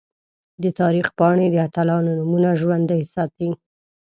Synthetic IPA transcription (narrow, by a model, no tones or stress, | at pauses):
d̪ət̪ɑɾixpɑɳed̪əat̪alɑnonumunaʒwand̪ahɪsat̪̚i